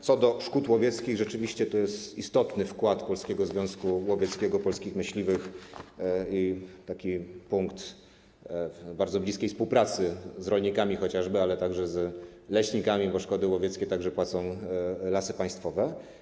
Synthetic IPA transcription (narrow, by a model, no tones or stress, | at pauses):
t̪sɔd̪ɔʂkut̪wɔvʲjɛt̪skʲiɣʐɛt͡ʂɘvʲiɕt͡ɕɛt̪ɔjɛst̪ist̪ɔt̪nɘfkwat̪pɔlskʲɛɡɔzvʲjɔ̃w̃skuwɔvʲjɛt̪skʲɛɡɔpɔlskʲixmɘɕlʲivɘx | it̪akʲipuŋkt̪ | baɾd̪zɔblʲiskʲejfspuwpɾat̪sɘzɾɔlɲikamʲixɔt͡ɕaʐbɘalɛt̪aɡʐɛzlɛɕɲikamʲibɔʂkɔd̪ɘwɔvʲjɛt̪skʲɛt̪aɡʐɛpwat̪sɔ̃w̃lasɘpaj̃st̪fɔvɛ